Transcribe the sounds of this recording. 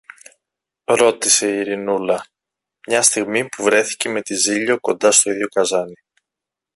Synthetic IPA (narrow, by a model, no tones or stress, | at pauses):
ɾo̞t̪ise̞ːɾinulɐ | mɲɐst̪iɣmipuvɾe̞θi̥ce̞me̞t̪iziʎo̞ko̞nd̪ɐst̪o̞iðʝo̞kɐzɐni